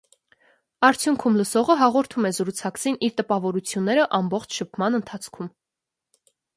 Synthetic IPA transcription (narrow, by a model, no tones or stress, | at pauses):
ɑɾt͡sʰjuŋkʰumləsɔʁəɦɑʁɔɾt̪ʰumɛzəɾut͡sʰɑkt͡sʰiniɾt̪əpɑvɔɾut͡sʰjunːɛɾəʔɑmbɔχt͡ʃʰʃəpʰmɑnənt̪ʰɑt͡sʰkʰum